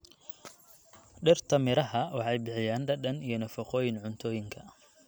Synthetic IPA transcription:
ɖɪrt̪ʰɐmɪɾɐɦɐwɑħɑjbɪħɪjaːnɖɐɖɐnijɔnɐfɐqɔːjɪnʕʊnt̪ʰɔːjɪŋkʰɐ

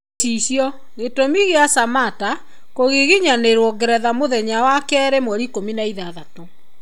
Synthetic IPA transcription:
iɕjɔ | ɣetomiɣeasamata | koɣiɣiɲaneɾwɔɡɛɾɛðamoðɛɲawakɛɛɾemwɛɾikominaiðaðato

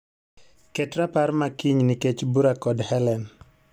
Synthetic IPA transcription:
kɛtɾaparmakiɲnɪket͡ʃbuɾakɔdhɛlɛn

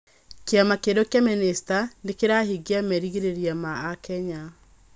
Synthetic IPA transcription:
keamakedokjaministandekeɾaɦiɡeamɛɾiɣeɾeɾiamaːkɛɲa

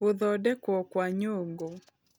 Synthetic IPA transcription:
uðɔdɛkwɔkwaɲoŋɡo

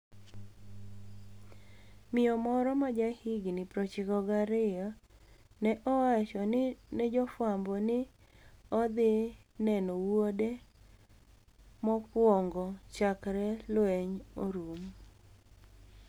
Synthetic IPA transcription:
mɪjɔmɔɾɔmad͡ʒahiɡnɪpɾɔt͡ʃɪkɔɡaɾɪjɔ | nɛʔɔwat͡ʃɔnnɛd͡ʒɔfwambɔnɪ | ɔd̪ɪnɛnɔwwode | mɔpwɔŋɡɔt͡ʃakɾɛlwɛɲoɾum

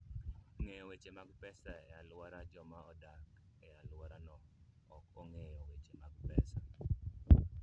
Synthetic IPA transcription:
ŋejɔwet͡ʃemaɡpɛsaɛalwaɾad͡ʒɔmaɔdak | ɛalwaɾanɔ | ɔkɔŋejɔwet͡ʃemaɡpɛsa

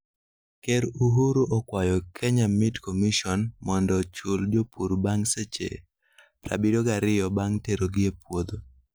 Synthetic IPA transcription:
keɾuɦuɾuʔɔkwajɔkʰɛɲamɪtkomiʃɔnmɔndɔt͡ʃuld͡ʒopuɾbaŋset͡ʃḛ | pɾa̰biɾoɡaɾɪjɔbaŋteɾoɡɪepwod̪o

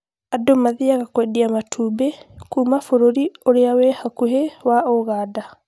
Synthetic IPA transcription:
adomaðiaɣakwɛdiamatʰubekuːmafoɾoɾioɾeawɛhakuɦewaoɣada

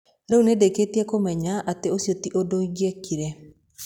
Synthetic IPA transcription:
ɾeunedeketiɛkomɛɲaʔateosjɔtiʔodoiɣɛkiɾɛ

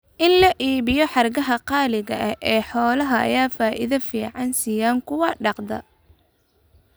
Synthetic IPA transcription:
ʔɪnlɐʔiːβɪjɔħɑrɡɐɦɐqɑːlɪɣɐʔɐhʔɛːħɔːlɐɦɐʔɐ̰jaːfaːʔɪ̰ðɐfiːʕɑnsiːjaːŋkʰʊwɑɖɑqd̪ɐ̰

